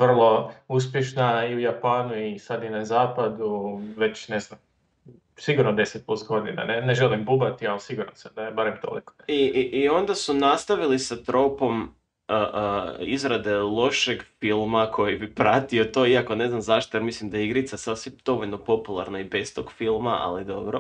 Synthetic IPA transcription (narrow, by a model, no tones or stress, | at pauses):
ʋr̩lˠo̞us̬pjeʃnaiujapaːnuisad̪inazaːpad̪uʋe̞t͡ɕneznam | siɡuɾnod̪e̞set̪̚plust̪ɡo̞d̪ḭna̰neneʒelimbubat̪ialisiɡuɾnosamd̪ajebaɾemt̪o̰lḭkoiʔːo̞nd̪asunast̪aʋilisat̪ɾo̞po̞m | əʔizɾad̪e̞lˠo̞ʃeɡfilˠmakʰo̞jibipɾat̪io̞t̪o̞ːiako̞ne̞znamzaʃt̪ojeɾmislˠimd̪ajeiɡɾit̪sasasid̪̥o̞ʋo̞ʎno̞po̞pulˠa̰ɾnaibe̞st̪o̞ɡ̥filˠmaʔa̰lid̪o̞̰bɾo̞̰